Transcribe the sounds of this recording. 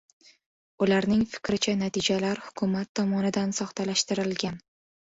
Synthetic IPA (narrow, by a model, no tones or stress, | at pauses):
ʊlaɾnɪŋfɪ̥kʲɾɪt͡ʃʰanat̪ʰɪd͡ʒalaɾhʊkʰʊmat̪ʰːɒmɒnɪd̪ansɒχt̪ʰalaʃt̪ɪɾɪlɡʲan